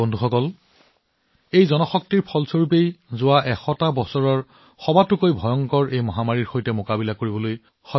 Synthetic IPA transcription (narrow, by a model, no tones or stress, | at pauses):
ɔndʱuxɔkɔl | ejzɔnɔxɔk̚tiɹpʰɔlsoɹp̬ejzʊwaʔɛxɔtabɔsɔɹɔɹ | xɔbatʊkojbʱɔjɔŋkɔɹʔejmɔɦamaɹiɹxojtɛmokabilakoɹibɔloj | xɔ